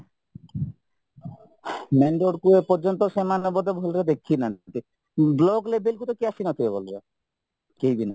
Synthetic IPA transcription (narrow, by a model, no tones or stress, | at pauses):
meɳɖoɽkuepɔɾd͡ʒɔnt̪ɔʃemanɔbɔd̪ebʱolɾed̪ekʰːinat̪i | blɔɡlebelkut̪ɔkiasinɔt̪ʰibebolɾe | kejbina